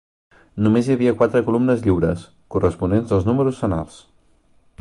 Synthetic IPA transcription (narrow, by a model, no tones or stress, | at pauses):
numezjəβ̞iəkwat̪ɾəkulumnəzʎiwɾəs | kurəspunenzðəlˠznuməɾusfəna̰lˠs